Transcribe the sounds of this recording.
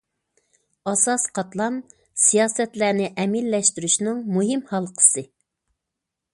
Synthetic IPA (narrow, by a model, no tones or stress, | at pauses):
ɑsɑsqʰɑt̪lˠɑn | sijɑːsɛt̪læɾnɪʔɛmilːɛʃt̪yɾyʃnɨŋmuɦɪmhɑlˠqʰə̥sɨ